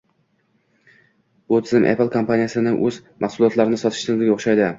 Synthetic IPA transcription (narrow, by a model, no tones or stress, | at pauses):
b̥ʊt̪ʰɪzɪmʔḛplˠkʰompʰanijasɪnɪʔɵzmɑχsʊlˠɒt̪laɾɪnɪsɒt̪ʰɪ̥ʃt̪ɪzɪɡʲaoχʃajd̪ɪ